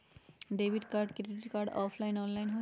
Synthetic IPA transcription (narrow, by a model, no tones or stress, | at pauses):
ɖebʱiʈkaɹɖkɾeɖiʈikaɖɔ̰pʰlajnɔnlajnɦo